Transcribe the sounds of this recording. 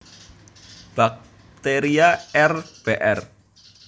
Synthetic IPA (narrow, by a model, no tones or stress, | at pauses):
b̥ak̚ | t̪eɾiaɛrb̥eʔɛr